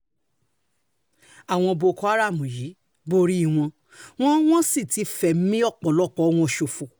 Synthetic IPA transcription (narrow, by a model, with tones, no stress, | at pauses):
a˨w̃ɔ̃˧bo˧˨kɔ˧˦a˦ɾa˦˨mũ˨ji˨˦ | bo˧ɾi˦˨w̃ɔ̃˧ | w̃ɔ̃˦w̃ɔ̃˦si˦˨ti˨˧fɛ˨m̩˦mĩ˦ɔ˦˨k͡pɔ˨lɔ˦˨k͡pɔ˨˦w̃ɔ̃˧˨ʃo˨fo˨